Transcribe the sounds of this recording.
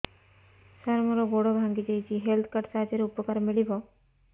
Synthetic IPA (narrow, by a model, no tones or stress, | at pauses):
saɾmɔɾɔɡoɽɔbʱãŋɡid͡ʒajt͡ʃʰiɦelt̪ʰkaɾʈsaɦad͡ʒeɾupɔkaɾmiɭibʱɔ